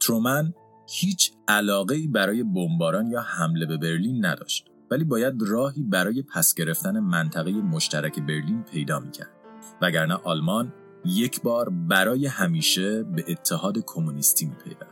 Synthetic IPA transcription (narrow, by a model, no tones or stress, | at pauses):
t̪ʰɾomæn | hiːt͡ʃʰælɒːɣe̞iːbæɾɒːje̞bombɒːɾɒːnjɒːhæmle̞be̞be̞ɾliːnːæ̰d̪ɒ̰ːʃt̪ | væliːbɒːjæd̪rɒːɦiːbæɾɒːje̞pʰæsɟ̥e̞ɾe̞ft̪æne̞mænt̪ʰæɣe̞je̞moʃt̪ʰæɾæcʰe̞be̞ɾliːnpʰe̞jd̪ɒːmiːcʰæ̰ɾd̪̥væɡæɾnæʔɒːlmɒn | je̞cʰbɒːɾbæɾɒːje̞hæmiːʃe̞be̞ʔːt̪ʰːehɒːd̪ekʰo̞munist̪ʰiːmiːpʰe̞̰jvæ̰ndd̥̪